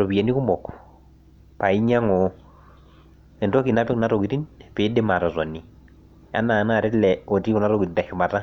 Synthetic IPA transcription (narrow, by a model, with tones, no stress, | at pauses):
ɾɔ˨pi˨a˨ni˦ku˦mɔ˨k | pa˨i˦ɲa˦ŋɔ˨ | ɛ˨ntɔ˦ki˨na˦pɪ˦kna˦ɾɔ˨ki˨ti˦npɪ˨˦dɪ˦ma˨tɔ˨sɔ˨ni˨ | a̰˦na˨na˨ɾɛ˦lɛ˨o˨ti˦kɔ˨na˦ɾɔki˨ti˨ta˨ʃʊ˨ma˨ta˦